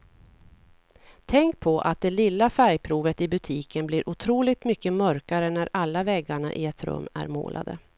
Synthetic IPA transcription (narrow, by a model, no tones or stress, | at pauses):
t̪ʰɛŋk̚pʰɔʔa̰t̪̚d̪ɛlɪlːafæɾjpʰɾuːvət̪ɪbɵt̪ʰiːkənbliːɾʔʊt̪ʰɾuːlɪɡ̚t̪mʏkːəmœɾkaɾənæɾalːavɛɡːaɳa̰ʔɪɛt̪ɾɵ̰mːæ̰ɾmo̰ːlʔa̰d̪ə̰